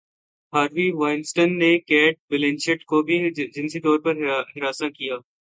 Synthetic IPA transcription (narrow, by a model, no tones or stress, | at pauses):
ɦaːɾʋiʋaːɪnsʈənːekɛːʈ̚bɪlẽnʃɪʈkobʱid͡ʒɪ̃nsit̪ɔːɾpɐɾɦɪɾaːsakijaː